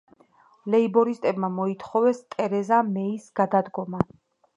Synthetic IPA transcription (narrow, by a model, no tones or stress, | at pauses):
lɛibɔɾist̪ʼɛbmamɔit̪ʰχɔvɛst̪ʼɛɾɛzamɛisɡ̥ad̪ad̪ɡɔma